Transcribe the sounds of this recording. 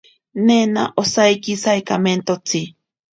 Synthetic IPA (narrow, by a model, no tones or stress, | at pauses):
nena̰ʔosajkisajkament̪ot͡sʰi